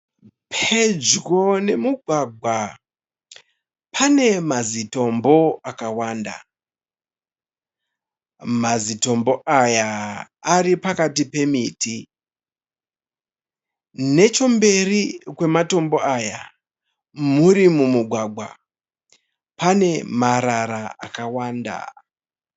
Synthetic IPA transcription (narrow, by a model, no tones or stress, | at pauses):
pʰe̞d͡ʒɡone̞muɡʱwaɡʱwa | pʰane̞mazito̞mbo̞akawaːnda̰ | mazito̞mbo̞ʔaja | aripakatipe̞miːtʰi | ne̞t͡ʃo̞mbe̞rikwe̞mato̞mbo̞aja | muɾimumuɡʱwaɡʱwa̰ | pane̞maɾaɾaa̰kawaːnda̰